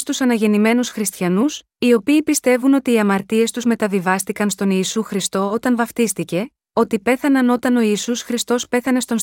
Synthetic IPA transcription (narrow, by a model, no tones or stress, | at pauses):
st̪usɐnɐʝe̞nime̞nusxɾist̪çɐnus | io̞piːpist̪e̞vuno̞t̪iːɐmɐɾt̪ie̞st̪uzme̞t̪ɐvivɐst̪ikɐnst̪o̞niːsuxɾist̪o̞o̞t̪ɐnvɐft̪ist̪ice̞ | o̞t̪ipe̞θɐnɐno̞t̪ɐno̞iːsusxɾist̪o̞spe̞θɐne̞st̪o̞ns